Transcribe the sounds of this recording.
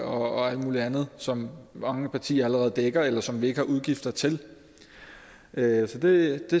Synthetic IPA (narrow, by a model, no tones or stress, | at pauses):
ɒ̽ɒæl̰d̥muːliænð̞̩ˠsɒ̽mmɑ̈ŋəpʰɑ̈t͡sʰḭːɐæləʁɛːð̞̩ˠd̥eɡ̥ɐelɐsɒ̽mʋie̝ɡ̥əhɑ̈ʔuð̞ˠɡ̥ifd̥ɐt͡sʰe̝l | ʔøsɒ̽d̥e̝d̥e̝